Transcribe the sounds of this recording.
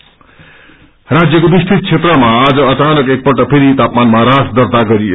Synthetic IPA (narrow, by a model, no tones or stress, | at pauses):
rad͡zjʌkobist̪ʰit̪̚t͡sʰet̪rʌmaːd͡zʌʌt͡sanʌkek̚pʌʈʌpʰeɾit̪apmanmaɾasd̪ʌrt̪aɡʌɾi